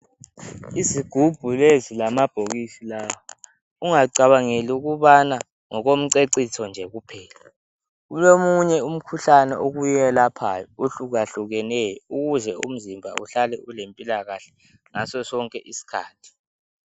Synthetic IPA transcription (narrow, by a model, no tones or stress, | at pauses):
iziɡ̥ʱub̥ʱulezilamab̥ʱoɣisilawɔ | uŋaǀaβaŋeliuɣuβana | ŋɔɣom̩ǀeǀitʰɔnd͡ʒʱɛɣupʰɛːla | ulomuɲɛum̩kʰuɬanɛ̰ʔoɣujɛlapʰajɔuɬuɣ̬aɬuɣɛnɛjɔuɣuɮɛṵm̩zimbʱa̰uɬalɛulempʼilaɣaɬɛ | ŋasɔsɔŋkʼɛʔisi̥kʰa̰ːtʰi̥